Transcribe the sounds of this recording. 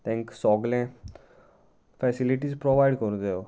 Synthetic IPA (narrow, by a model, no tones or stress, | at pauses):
t̪ʰɛ̃ŋksɔɡlɛ̃ | fɛsiliʈiːd͡zpɾoʋajɽkəɾd̪eo